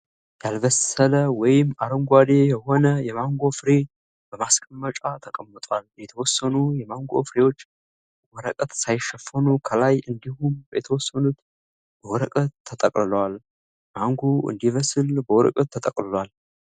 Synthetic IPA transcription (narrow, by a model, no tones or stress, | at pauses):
jalvəsələwɔjɪmːaɾəmɡʷad̪e̞jɛho̞nəjɛmaŋɡo̞fɨɾe | b̥əmaskʼəmːət͡ʃʼat̪ʰəkʼəmːət̪ʼwaljɛt̪ʰəwɔsːənujɛmaŋɡo̞̰fɨɾewo̞t͡ʃː | wɔɾəkʼət̪sajɪʃːɛfːənukʰəlajɨnd̪ihumbəjɛt̪ʰəwɔsːənut̪ | b̥əwɔɾəkʼət̪ʰːət̪ʼəkʼlɨləwal | maŋɡoʔɨ̰nd̪ivəsɨlbəwɔɾə̰kʼət̪ʰːət̪ʼəkʼlɨlwal